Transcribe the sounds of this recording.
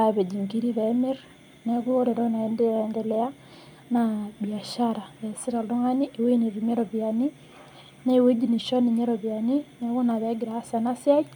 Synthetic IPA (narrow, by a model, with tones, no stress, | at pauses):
a˨βe˨d͡ʒi˨ŋɡi˦ɾi˦βɛme˦ɾ | nɛ˨βu˦o˦ɾe˨ɾɔ˦na˨ndɛ˦ndɛ˨lɛ˦a˦ | naβi˨a˨ʃaɾa˨βɛ˨si˦ɾa˨lo˦ŋa˦ni˦ʔe˨we˦ne˨βi˨me˦ɾɔ˨βja˨ni˦ | na˦i˨we˦d͡ʒi˦ni˨ʃɔ˦ni˨ɲɛ˦ɾɔ˨βja˨ni˦nɛ˦ɣu˦na˨βɛ˨˦ɡi˨ɾa˨a˦sa˨na˦sja˦i˦